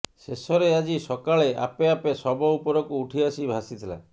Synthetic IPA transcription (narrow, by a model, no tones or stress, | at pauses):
ʃesɔɾead͡ʒisɔkaɭea̰peapesɔbɔupɔɾɔkuːʈʰiasibʱasit̪ʰila̰